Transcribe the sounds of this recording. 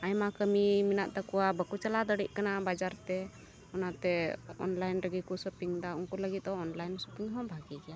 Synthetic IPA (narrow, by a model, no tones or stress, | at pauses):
ajmakəmiminaʔt̪akɔwabəkut͡ʃalad̪əɽiʔ̚kanabad͡ʒaɾt̪ɛ | ɔnat̪ɛɔ̰nlajnɾəɡikusɔpiŋd̪auŋkuləɡit̪̚ˀɔɔnlajnsupiŋɦɔ̃bʱaɡiɡɛja